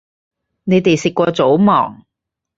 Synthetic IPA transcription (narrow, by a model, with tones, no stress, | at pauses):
ne˨˧jt̪e˨jsɪ˨kːʷɔː˧t͡so˨˥wmɔ̰ː˨˩ŋ